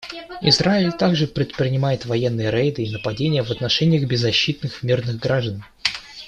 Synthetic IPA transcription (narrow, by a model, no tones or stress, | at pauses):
ɪ̰zraɪlʲt̪aɡʐɨpɾʲɪt̪pɾʲɪnʲɪmajɪt̪vɐjenːɨjəɾejd̪ɨːnəpɐdʲenʲɪjəvət̪nɐʂɛnʲɪjəɣbʲɪzːɐɕːit̪̚nɨxmʲirnɨɣɡɾaʐd̪ən